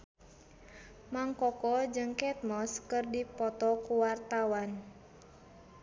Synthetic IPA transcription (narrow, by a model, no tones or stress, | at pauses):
maŋkɔkɔd͡ʒɨŋkɛt̪̚mɔskɨrdipɔt̪ɔkuwart̪awan